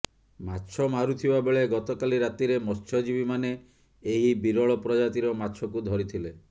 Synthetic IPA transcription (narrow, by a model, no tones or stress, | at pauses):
matːt͡ʃʰɔmaɾut̪ʰibabeɭeɡɔt̪ɔkaliɾat̪iɾemɔst͡ʃʰɔd͡ʒibimaneː | ɦibiɾɔɭɔpɾɔd͡ʒat̪iɾɔmatːt͡ʃʰɔkud̪ʱɔɾit̪ʰile